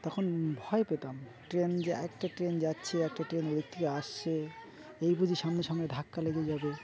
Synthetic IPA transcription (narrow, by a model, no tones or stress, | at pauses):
t̪ɔkʰonbʱɔepet̪am | ʈɾend͡ʑeɛkʈaʈɾend͡ʑatːɕʰeɛk̚ʈaʈɾenoɾikt̪ʰːikeaʃt͡ɕʰe | ejbud͡ʑʱiʃamneʃɔŋeɖʱakːaleɡed͡ʑabe